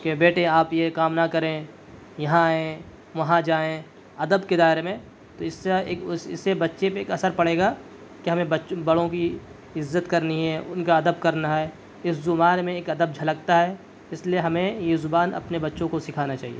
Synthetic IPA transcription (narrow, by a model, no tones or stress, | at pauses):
kebeːʈẽaːpjekaːmnakɐɾẽ | jɐɦãẽ | ʋɐɦãd͡ʒaːẽ | ɐd̪əbked̪aːɦɪɾemẽ | t̪oɪsːesɪ̰sːebɐtːʃepeːkɐsəɾpɐɽeːɡaː | keɦɐmẽbɐtːʃbɐɽõki | ɪzːət̪kɐɾniɦɛʔʊnkaɐd̪əb̚kɐɾnaɦɛ | ɪszʊmaːɾmẽeːkɐd̪əb̚d͡ʒʱɐlək̚t̪aɦɛ | ɪslieɦɐmẽjezʊbaːnɐ̰pnebɐtːʃõkosɪkʰaːnat͡ʃaːɦḭḛː